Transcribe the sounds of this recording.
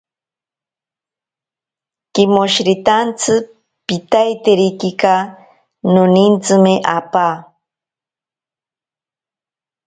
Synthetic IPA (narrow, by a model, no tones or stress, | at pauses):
kɪmoʃɾit̪ant͡sʰɨ | pit̪ajt̪eɾikika | nʊnint͡sɨmeʔapaː